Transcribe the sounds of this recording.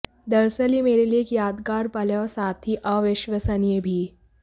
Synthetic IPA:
d̪ɐɾsəlimeːɾeliekjaːd̪kaːɾpɐljɔsaːt̪ʰiʔɔːʋɪʃʋəsəniebʱiː

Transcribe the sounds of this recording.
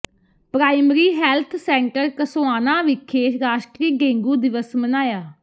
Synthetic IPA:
pɾaːɪmɾiːɦɛːlt̪ʰsɛ̃ːɳʈəɾkəsoːaːnaːʋɪkʰːeːʃɾaːʃʈɾiːɡẽːŋɡuːd̪ɪʋəsmənaːjaː

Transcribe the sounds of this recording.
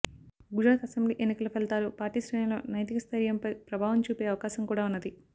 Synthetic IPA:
ɡud͡ʒɾaːt̪ɐsembliːʔenːikɐlufeɭt̪aːɾuːpaːɾʈiːsɾɐːjɐlo̞ːnɐjt̪ikɐst̪ʰɐɾjɐmpɐjpɾɐbʱaːʋɐmt͡ʃuːpeːɐʋɐkaːsɐŋkuːɽaːunːɐd̪i

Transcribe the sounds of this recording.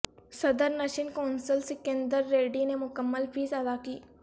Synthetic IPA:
sɐd̪əɾnɐʃɪnkãːnsəlsɪkẽnd̪əɾːeːɖinemʊkəmːəlpʰiːzəd̪aːkiː

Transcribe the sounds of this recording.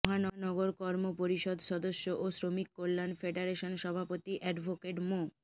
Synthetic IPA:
ɦanɔnɔɡoɾkɔɾmopoɾiʃɔd̪ʃɔd̪oʃːoʔosɾomikːolːanfeɖeɾeʃonʃɔbʱapot̪iʔɛɖbʱokeʈmo

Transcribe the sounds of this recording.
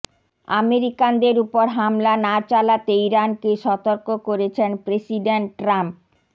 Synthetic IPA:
a̰meɾikand̪eɾupoɾɦamlanat͡ɕalat̪eiɾankeʃɔt̪oɾkokoɾet͡ɕʰenpɾesiɖeɳʈːɾamp̚

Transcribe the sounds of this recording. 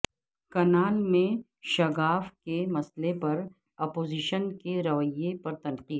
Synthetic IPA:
kɐnaːnmẽ | ʃɐɣaːfkemɐslepɐɾ | ɔːpoːziːʃənkeɾɐʋəjepɐɾt̪ɐnqiː

